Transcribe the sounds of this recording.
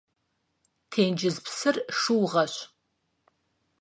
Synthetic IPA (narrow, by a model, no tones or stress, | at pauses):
tʰeːnd͡ʒɪzpsɨrʂɨwʁɐɕ